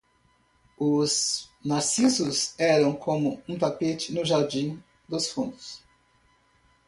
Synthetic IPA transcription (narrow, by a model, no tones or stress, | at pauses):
ʊznasisʊsɛɾɐ̃w̃kʰõmʊũt̪apet͡ʃɪnʊʒaɾd͡ʒĩ | d̪ʊsfũnd̪ʊs